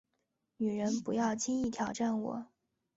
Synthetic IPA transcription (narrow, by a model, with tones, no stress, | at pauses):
ny˨˩ɻə˧˥npu˧˥jɑ˥˩ʊt͡ɕʰi˥ŋi˥˩t̪ʰjɑ˨˩ʊʈ͡ʂa˥˩nwɔ̰˨˩˦